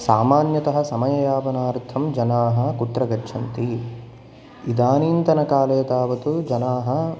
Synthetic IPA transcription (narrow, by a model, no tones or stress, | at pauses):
saːmaːnjɐt̪ɐɦɐ̆sɐmɐjɐjaːpɐnaːɾt̪ʰɐmd͡ʒɐnaːɦɐ̆kut̪ɾɐɡɐtːʃʰɐnt̪i | id̪aːniːnt̪ɐnɐkaːlɐjɐt̪aːʋɐt̪ud͡ʒɐnaːɦɐ̆